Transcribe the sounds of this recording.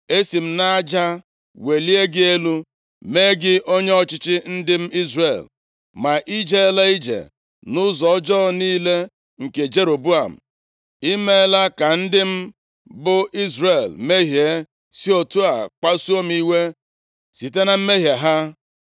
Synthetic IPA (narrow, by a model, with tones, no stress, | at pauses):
e˦si˨m̩˦na˦d͡ʒa˦ | we˨li˦e˦ɡɪ˦e˦lu˦ | me˦ɡɪ˦ʔo˦ɲe˦ɔ˦t͡ʃɪ˦t͡ʃɪ˦n̩˦dɪ˦m̩˦i˦zrḛ˨l | ma˨ʔi˦d͡ʒe˦la˦i˦d͡ʒḛ˨ | nʊ˦zɔ˨ɔ˦d͡ʒɔ˦niː˦le˦ | ŋ̩˨ke˨d͡ʒe˦ɾo˨bu˦a˨m̩˨ | i˦me˦la˦ka˨n̩˦dɪ˦m̩˦ | bʊ˦i˦zre˨lme˦ɦje˨˦ | si˦o˨tu˦a˨k͡pa˦su˦o˦m˦i˦we˦ | si˨te˦na˨m̩˦me˦ɦja˨ɦa˦